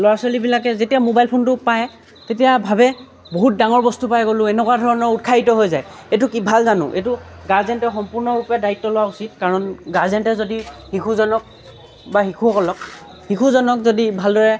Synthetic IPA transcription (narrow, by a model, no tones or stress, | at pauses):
lɔasolibilakɛzetijamobajlpʰontʊpaj | tetijabʱabɛ | boɦut̚daŋɔɹbɔstupajɡolʊ̃ɛnɛkwadʱɔɹɔnɔɹut̚kʰaitɔɦojzajetʊkibʱalzanʊ̰̃ʔetʊɡaɹzɛntɛxɔmpuɹnɔɹupɛdaitːɔlʊwausit̚kaɹɔnɡaɹzɛntɛzodixikʰuzɔnɔk̚ | baxikʰuɔkɔlɔk̚ | hikʰuzɔnɔkzodibʱaldɔɹɛ